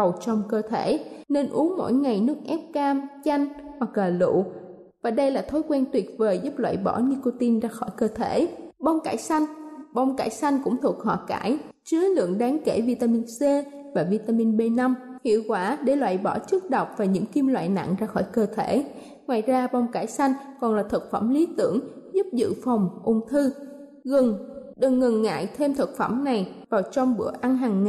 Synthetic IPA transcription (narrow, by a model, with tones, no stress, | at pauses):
wt͡ɕɔ˧wŋ͡mkəː˧t̪ʰe˧˩ne˧nʔu˨˦əŋmo̰˧˥jŋa˨˩jnɨ˦˥ək̚ʔɛ˦˥p̚kaː˧mt͡ɕa˧jŋ̟ha˨˩k̚laː˨˩lṵ˧˨ | vaː˨˩ɗə˧jlaː˨˩t̪ʰo˨˦jkwɛː˧nt̪wi˨˩ət̚vəː˨˩jzu˦˥p̚lwa̰ː˧˨jɓɔ˧˩ni˧ko˧t̪i˧nzaː˧xɔ˧˩jkəː˧t̪ʰe˧˩˨ɓa˧wŋ͡mkaː˧˩jsa˧jŋ̟ɓa˧wŋ͡mka̰ː˧˩jsa˧jŋ̟kʊ̰˧˥ŋ͡mt̪ʰu˨˩ək̚hɔ̰˧˨kaː˧˩˨j | t͡ɕɨ˨˦əlɨ̰˧˨əŋɗaː˨˦ŋke˧˩vi˧t̪aː˧mi˧nse˧ | vaː˨˩vi˧t̪aː˧mi˧nɓe˧na˧mhḭ˧˨əwkwaː˧˩ɗe˧˩lwa̰ː˧˨jɓɔ˧˩t͡ɕɨ˦˥k̚ɗə˨˩wk͡p̚vaː˨˩ɲɨ̰˧˥ŋki˧mlwa̰ː˧˨jna̰˧˨ŋzaː˧xɔ˧˩jkəː˧t̪ʰe˧˩ | ŋwaː˨˩jzaː˧ɓa˧wŋ͡mkaː˧˩jsa˧jŋ̟kɔ˨˩nlaː˨˩t̪ʰə˨˩t̚fə˧˩mli˨˦t̪ɨ˧˩əŋzu˦˥p̚zɨ̰˧˨fɔ˨˩wŋ͡mʔʊ˧ŋ͡mt̪ʰɨ˧ | ɣɨ˨˩ŋɗɨ˨˩ŋːɨ˨˩ŋːa̰ː˧˨jt̪ʰe˧mt̪ʰə˨˩k̚fə˧˩mna˨˩jvaː˨˩wt͡ɕɔ˧wŋ͡mɓɨ˧˩əʔa˧nɦaː˨˩ŋː